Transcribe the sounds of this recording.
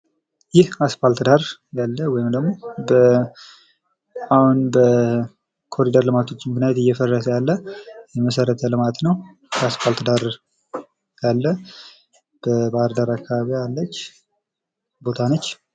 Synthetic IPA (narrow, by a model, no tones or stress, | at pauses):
jɪhasfalt̪d̪aɾjalːəwɔjɪmd̪əɡmo̞bə | ahunbə | kʰo̞ɾid̪əɾlɨmat̪ʰo̞t͡ʃːɪmknajɛt̪ɨjːɛfərːəsəjalːəjɛməsəɾət̪ʰəlɨmat̪nəw | kʰasfalt̪d̪aɾ | jalːə | b̥əbaɾd̪aɾakːaβaβijalːət͡ʃː | bo̞t̪ʰanət͡ʃː